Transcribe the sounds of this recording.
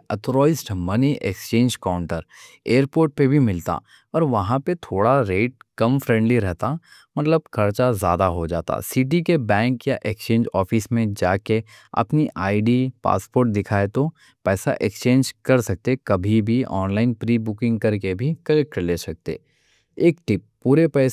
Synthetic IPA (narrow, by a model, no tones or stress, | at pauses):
ɐt̪ɾɔːɪsʈmɐniʔḛkst͡ʃẽːɲd͡ʒkaʊ̃ɳʈəɾ | eːəɾpoːɾʈ̚pebʱimɪlt̪a̰ | ɔːɾʋɐɦãpet̪ʰoːɽaɾeːʈ̚kɐmfɾɛ̃ːɳɖliɾɛɦt̪a | mɐt̪ləb̚kʰɐɾt͡ʃazja̰ːd̪aɦod͡ʒaːt̪a̰siʈ̬ikebɛ̃ːŋkjaʔekst͡ʃẽːnd͡ʒɔːfismẽd͡ʒaːkeɐ̰pniʔaːiɖipa̰ːspoːɾʈ̚d̪ɪkʰaːet̪o | pɛːsa̰ʔekst͡ʃẽːɲd͡ʒkɐɾsɐk̚t̪ekɐbʱibʱiɔːnlaːɪnpɾiːbʊkɪ̃ŋɡkɐɾkebʱikɐlek̚ʈːəɾleːsɐk̚t̪ḛː | eːkʈɪp̚ːuːɾepɛː